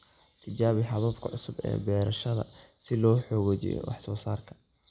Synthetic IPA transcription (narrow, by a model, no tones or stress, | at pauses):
t̪ʰɪt͡ʃaːβɪħɑβɐbkʰɐʕʊsʊbɛ̰ːbɛːɾɐʃɐðɐ̰sɪlɔːħɔːɣɔt͡ʃɪ̰jɔ̰wʔɑħsɔːsaːrkʰɐ̥